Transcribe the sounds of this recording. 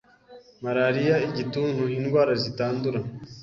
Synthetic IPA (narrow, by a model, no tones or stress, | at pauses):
maɾaːɾijaiɟitunuhiːnɡwaːɾazitaːnduɾa